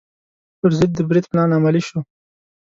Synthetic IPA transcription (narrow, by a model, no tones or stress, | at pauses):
pəɾzɪd̪̚ːəbɾid̪pnɑnamaliʃo